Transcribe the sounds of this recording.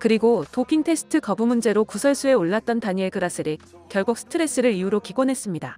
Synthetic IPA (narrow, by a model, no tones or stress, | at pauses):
kɯɾiɡotokʰiŋtʰe̞s͈ʰɯ̥tʰɯkʌbumund͡ʑe̞ɾokusʰʌɭs͈ue̞oɭːat̚t͈ʌntaɲieɡɯɾas͈ʰɯɾi | kjʌɭɡuk̚s͈ʰɯ̥tʰɯɾe̞s͈ɯɾɯɾijuɾokiɡonɦe̞s͈ɯmɲida